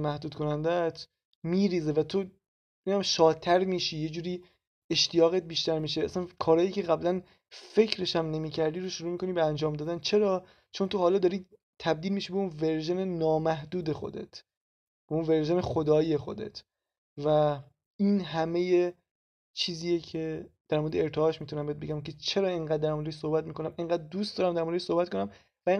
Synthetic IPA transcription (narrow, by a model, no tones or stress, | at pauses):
mæhd̪uːd̪kʰonænd̪et̪ʰ | miːɾiːze̞væt̪ʰo | eæmʃɒːd̚t̪ʰːæɾmiːʃiːje̞d͡ʒuːɾiː | e̞ʃt̪ijɒːɣet̪̚biːʃt̪æɾmiːʃ̬eæsænkʰɒːɾɒːjiːce̞ɣæblæn | fe̞cʰɾe̞ʃæmne̞miːcʰæɾd̪iːɾoʃuɾuːmiːkʰo̞niːbeænd͡ʒɒːmd̪ɒːd̪ænt͡ʃʰe̞ɾɒː | t͡ʃʰo̞nt̪ʰoɦɒːlɒːd̪ɒːɾiː | t̪ʰæb̚d̪iːlmiʃiːbeunve̞ɾʒene̞nɒːmæhd̪uːd̪exo̞̰d̪ḛt̪ʰ | beunve̞ɾʒe̞ne̞xo̞d̪ɒːiexo̞̰d̪ḛt̪ʰ | væ | inɦæme̞je | t͡ʃʰiːziːjecʰe̞d̪̥æɾmoɾed̪eeɾt̪ʰeɒːʃmiːt̪ʰunæmbet̪be̞ɡʲæmkʰe̞t͡ʃʰe̞ɾɒːeŋɢæːd̪̚ːæɾmoɾd̪eʃsohbæt̪̚miːkʰo̞næmeŋɢæːd̪̚d̪uːst̪d̪ɒːɾæmd̪æɾmoɾeʃsohbæt̪ko̞næm | væe